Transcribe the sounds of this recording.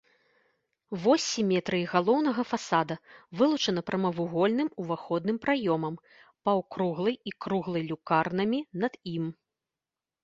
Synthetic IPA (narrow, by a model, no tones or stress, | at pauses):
vɔsʲimʲɛt̪ɾɨiɣalˠɔwn̪ɐɣɐfasad̪ɐvɨlˠut͡ʂɐn̪ɐpɾʔɐmɐvuɣɔlʲnɨmuvaxɔd̪nɨmpɾajɔmɐm | pɐwkɾuɣlˠɐjikɾuɣlˠɐjlʲukarnɐmʲinɐd̪im